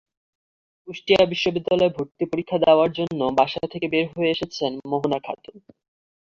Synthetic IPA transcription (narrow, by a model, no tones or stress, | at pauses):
uʃʈijabiʃːobid̪ːalɔebʱoɾt̪ipoɾikʰːad̪aoaɾd͡ʑonːobaʃat̪ʰekebeɾɦoeeʃet͡ɕʰenmoɦonakʰa̰t̪uɾ